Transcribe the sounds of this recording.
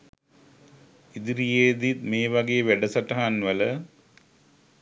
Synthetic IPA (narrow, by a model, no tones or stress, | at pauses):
id̪iɾijeːd̪it̪meːʋɐɡejʋeɖɐsɐʈɐɦanʋɐlə